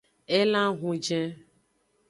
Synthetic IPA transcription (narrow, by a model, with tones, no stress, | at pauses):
e˦lã˦ɣũ˨d͡ʒɛ̃˦